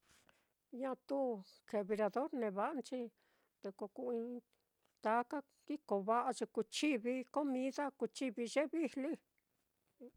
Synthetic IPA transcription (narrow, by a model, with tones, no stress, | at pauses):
ɲã˦˧t̪u˦ke˨βi˧ɾa˧ðo˦ɾnẽ˨˧βa˧ʔa˧˦nt͡ʃi˦ | d̪e˧ko˧ku˧ĩ˧ | t̪a˧˦ka˦ | ki˦ko˨βa˦ʔa˧t͡ʃe˧ku˧t͡ʃi˦βi˧ko˦mĩ˧˦ða˦ku˧t͡ʃi˦βi˧ʒe˦βi˦hli˦